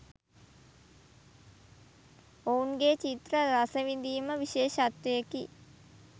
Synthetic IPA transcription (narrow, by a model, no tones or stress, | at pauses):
ouŋɡeːt͡ʃit̪rəɾasəʋind̪iːməʋiʃeːʃat̪ʋejəki